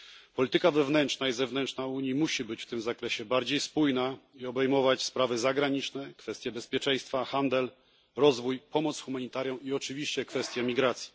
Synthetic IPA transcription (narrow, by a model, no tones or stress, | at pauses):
pɔlʲit̪ɘkavɛvn̪ɛnt͡ʂnaizɛvnɛnt͡ʂnauɲimuɕibɘt͡ɕft̪ɘmzakɾɛɕɛbaɾd͡ʑejspujnaiɔbɛjmɔvat͡ɕspɾavɘzaɡɾaɲit͡ʂnɛkfɛst̪ʲjɛbɛspʲjɛt͡ʂɛ̃j̃st̪faxand̪ɛl | ɾɔzvujpɔmɔt̪sxumaɲit̪aɾjɔ̃w̃iɔt͡ʂɘvʲiɕt͡ɕɛkfɛst̪ʲjɛmʲiɡɾat̪sʲji̥